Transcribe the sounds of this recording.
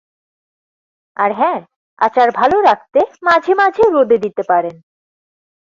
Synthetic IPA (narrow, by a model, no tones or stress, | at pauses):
aɾɦɛ̃ː | a̰t͡ɕaɾbʱaloɾak̚t̪emad͡ʑʱemad͡ʑʱeɾod̪ʱed̪it̪epaɾen